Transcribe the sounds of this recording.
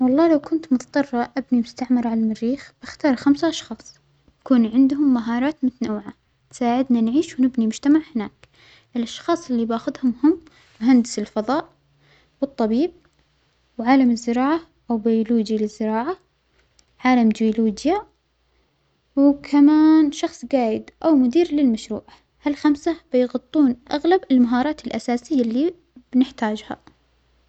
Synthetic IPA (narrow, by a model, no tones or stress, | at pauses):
wɑlˤːɑːlawkʊnt̪mʊt̪ɑ̥t̪ˤɑrˤːɑʔabnimʊst̪aʕmɑɾˤʕalamɪrːiːxb̥ɪxt̪ɑːɾˤxamsaʔɑʃxɑːsˤ | nakuːnʕɪnd̪hʊmːaɦɑːɾˤɑːt̪mʊt̪anawʕa | nsaːʕɪd̪nanʕiːʃwnɪbnimʊd͡ʒt̪amaʕhɪnaːk | ʔɪlʔɑʃxɑːsˤɪlːibaːxʊd̪hʊmhʊmː | ʊɦand̪ɪsɪlfɑðˤɑːʔ | wɨt̪ˤːɑbiːb̚ | wʕaːlamɪzːɪɾɑːʕa | ʔawbajʊluːd͡ʒalɪzːɪɾɑːʕa | ʕaːlamd͡ʒ̪ɪʊluːd͡ʒja | wkʰamaːnʃɑxsˤɡaːjɪd̪ʔawmʊd̪iːɾlɪlmaʃɾṵːʕa | halxamsab̥ɪjɣʊt̪ˤːuːnʔaɣlabɪlmaɦɑːɾˤɑːt̪ɪlʔasaːsɪjːalːi | b̥nɪħt̪aːd͡ʒha̰